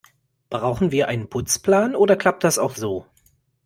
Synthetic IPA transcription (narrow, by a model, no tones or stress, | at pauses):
b̥ʁaʊxn̩viːɐʔaɪnənpʰʊt͡spl̥aːnʔoːdɐkʰl̥ap̚t̚d̥asaʊxz̥oː